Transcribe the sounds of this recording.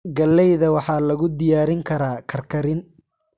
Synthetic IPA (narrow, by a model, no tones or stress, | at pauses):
ɡɐlːɛjðɐwɑħɑːlɐɣʊd̪ɪjaːɾɪŋkʰɐɾaːkʰɐrkʰɐɾɪn